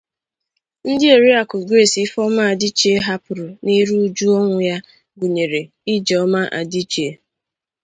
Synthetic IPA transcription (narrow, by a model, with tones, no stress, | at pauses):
n̩˦dɪ˦e˨ɾi˦a˨kʊ˨ɡɾe˦˨si˦fɔ˦ma˦a˨dɪ˦t͡ʃe˦ɦa˦pʊ˨ɾʊ˨ni˦ɾu˦u˦d͡ʒu˦ɔ˦ŋʷʊ˨ja˦ | ɡu˨ɲe˨ɾe˨ | i˦d͡ʒe˨ɔ˦ma˦ʔa̰˨di˦t͡ʃe˦